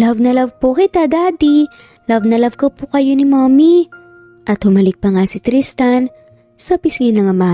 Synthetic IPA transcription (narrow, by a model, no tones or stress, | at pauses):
lɐvnɐlɐvpokɪt̪ad̪ad̪i | lɐvnɐlɐvkɐpʊkɐjo̞nɪmami | ʔɐt̪hʊmɐlɪk̚pɐŋasɪt̪ɾist̪ɐn | sɐpiskɪnɐŋɐma